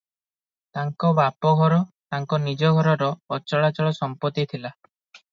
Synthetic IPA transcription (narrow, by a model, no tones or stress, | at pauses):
t̪aŋkɔbapɔɡʱɔɾɔt̪aŋkɔnid͡ʒɔɡʱɔɾɔɾɔːt͡ʃɔɭat͡ʃɔɭɔsɔmpɔt̪it̪ʰila